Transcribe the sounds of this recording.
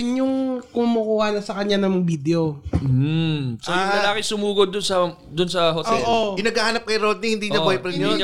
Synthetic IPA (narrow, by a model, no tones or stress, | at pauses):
ɪɲjʊŋkʊmʊkuːhɐnɐsɐkɐɲːanɐmɐŋbid̪ɛo | sɐjʊŋɐlaːkɪsʊmuːɡod̪ːʊnsɐ | d̪ʊnsɐɦotʔ̪ɛoːlʔokɪnɐɡahanɐp̚kɐjɾod̪̚niŋhɪnd̪iɲɐbojpɾɛnoiɲ